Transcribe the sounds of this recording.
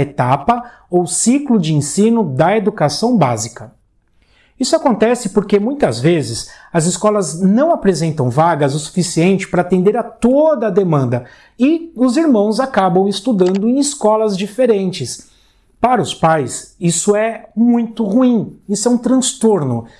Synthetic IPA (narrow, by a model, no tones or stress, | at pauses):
et̪apɐ | owsiklʊd͡ʒɪẽsĩnʊd̪ɐed̪ukasɐ̃w̃bazikɐ | isʊakõnt̪ɛsɪpoɾkemũj̃t̪ɐzvezɪs | ɐzɪskɔlɐznɐ̃w̃apɾezẽnt̪ɐ̃w̃vaɡɐzʊsu̥fisiẽnt͡ʃɪ̥paɾɐaːt̪ẽnd̪eɾat̪od̪ɐd̪emɐ̃nd̪ɐ | ɪʊziɾmɐ̃w̃zakabɐ̃w̃ɪst̪ud̪ɐ̃nd̪ʊẽj̃ɪskɔlɐzd͡ʒifeɾẽnt͡ʃɪs | paɾɐʊspajsisʊɛmũj̃t̪ʊhuĩisʊɛũt̪ɾɐ̃st̪oɾnʊ